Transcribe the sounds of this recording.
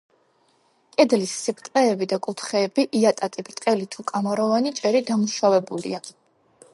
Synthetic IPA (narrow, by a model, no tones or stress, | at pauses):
kʼɛd̪lisːipʰt̪ʼqʼɛːbid̪akʼut̪ʰχɛːbiʔiat̪ʼat̪ʼibɾt̪ʼqʼɛlit̪ʰukʼamɔɾɔvanit͡ʃʼɛɾid̪amuʃavɛbulḭa